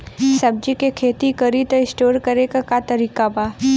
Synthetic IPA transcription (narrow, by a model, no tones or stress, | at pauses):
sɐb̚d͡ʒikekʰeːt̪ikəɾit̪ɪsʈoːɾkəɾekakat̪ɐɾiːkabaː